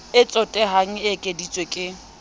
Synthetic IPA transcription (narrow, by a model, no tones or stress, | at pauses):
ɪt͡sʼɔtʼɛɦaŋ̩ɪkʼedit͡sʼwekʼɪ